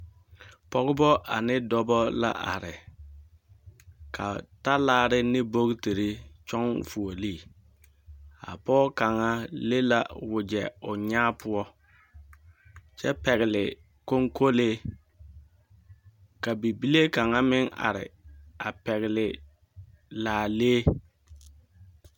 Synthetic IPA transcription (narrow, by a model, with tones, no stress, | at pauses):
pɔ˦ɣʊ˦bɔ˦ʔa˨nɪ˦dɔ˦bɔ˦la̰˦ʔa˨ɾɪ˨ | kʰa̰˨ta˦laː˦ɾɪ˦nɪ˦bo˦ɡti˨ɾi˦t͡ʃɔ˦ŋfu˨o˨liː˦ | a̰˨pɔː˦ka˨ŋa˦le˦la˦wʊ˨d͡ʒɛ˨ʊ˨ɲaː˦pʰʊ˦ɔ˦ | t͡ʃɛ˦pɛ˨ɣɪ˨lɪ˨ | ko˦ŋko˦leː˦ | ka˨bi˨bi˦le˦ka˨ŋa˦mɪ˦ŋa̰˨ɾɪ̰˨a˨pɛ˨ɣɪ˨lɪ˨ | laː˨leː˦